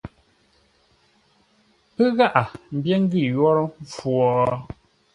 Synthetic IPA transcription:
pə˦ɣa˦ʔa˨m̩˨˦bjɛ˦ŋ̩˦ɡi˦˨jɔ˦ɾɔ˦ɱ˦fwɔː˨

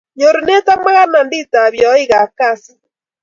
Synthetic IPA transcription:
ɲo˨ɾu˨ne˦ta˦ma˦ɣa˦na˨ndi˦ta˨βjɔ˨˦i˦ɣa˨ka˦˨si̥˦

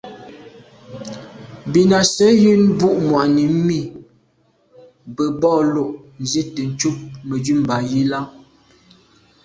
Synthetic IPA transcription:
bi˨na˨sə˨˦jʉ˦nbu˦˨ʔmwa˨ʔni˨˦mi˦˨ | bə˨bɔː˦˨lo˦˨ʔ | n̩˨zi˦tə˨n̩˨t͡ʃu˦p̚mə˨d͡ʒʉ˦˨m̩˨ba˨ji˦la˦

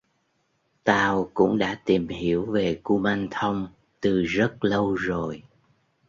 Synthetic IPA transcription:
t̪aː˧wkʊ̰˧˥ŋ͡mɗa̰ː˧˥t̪i˨˩mɦi˧˥əwve˨˩ku˧ma˧nt̪ʰə˧wŋ͡m | t̪ɨ˨˩zə˦˥t̚lə˧wzo˨˩j

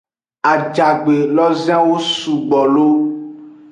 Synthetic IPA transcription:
a˨d͡ʒa˨ɡ͡be˨lɔ˦zi˦ã˦wo˦su˨ɡ͡bɔ˨lo˦

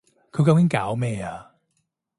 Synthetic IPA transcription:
kʰɵ˧ka˧wi˦nkaː˨˦wmɛː˧a˨˦

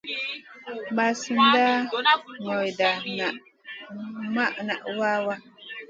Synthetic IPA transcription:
ba˨sɨ˨nda˦ŋɔ˨da˨na˨ | ma˦ʔna˨ʔwa˦wa˦

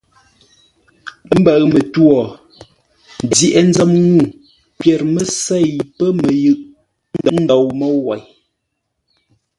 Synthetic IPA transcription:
ə˦m̩˦bə˨ɰmə˨twɔ˨ | d͡zi˨ʔɛ˨n̩˦d͡zə˦mŋu˦˨ | pjɛ˨ɾmə˦sɛ˦˨jpə˦mə˨jɯ˦ʔ | n˦də˨˦n̩˦dɔ˨wmə˦wa˨j

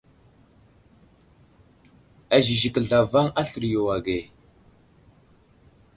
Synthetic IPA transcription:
a˨ʒi˨ʒi˨kə˨ɮa˨va˦ŋa˦ɬu˨ɾjo˨wa˨ɡe˨

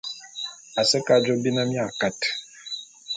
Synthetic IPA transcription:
a˨sə˦ka˨d͡ʒo˦bi˦na˦mi˦a˨ka˦t

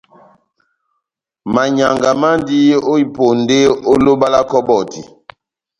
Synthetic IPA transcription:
ma˨ɲa˨ŋɡa˨ma˦ndi˦o˦i˨po˨nde˦o˦lo˦ba˦la˦kɔ˦bɔ˨tḭ˨

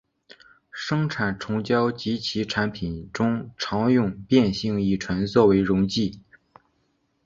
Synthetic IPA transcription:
ʂɤ˥ŋʈ͡ʂʰa˨˩nʈ͡ʂʰʊ˧˥ŋt͡ɕjɑ˥ʊt͡ɕi˧˥t͡ɕʰi˧˥ʈ͡ʂʰa˧˥npʰi˨˩nʈ͡ʂʊ˥ŋʈ͡ʂʰɑ˧˥ŋjʊ˥˧ŋpjɛ˥˧nɕi˥˧ŋi˥˩ʈ͡ʂʰwə˧˥nt͡swɔ˥˩we˧˥ɪɻʊ˧˥ŋt͡ɕi˥˩

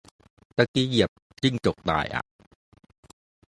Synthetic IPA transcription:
t̪a˧˩ki˧˥ji˨˩əp̚ | t͡ɕi˥˩ŋt͡ɕo˨˩k̚d̪a̰ː˨˩jʔa̰˨˧˩ʔ

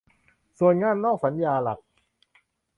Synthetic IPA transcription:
su˨˩ənŋaː˧˥˨nːɔː˥˩k̚sa˩˦njaː˧la̰˨˩k̚

